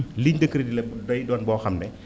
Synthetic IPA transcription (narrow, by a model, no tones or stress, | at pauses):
liɲdəkːəɾidilɛdɔjdɔːnbɔːxɐmnɛ